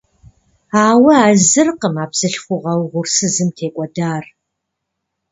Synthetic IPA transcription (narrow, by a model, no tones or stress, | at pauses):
aːwɐaːzɨrqəmaːpsɨɬχʷʊʁɐwʁʷʊrsɨzɨmtʰeːkʷʼɔdaːr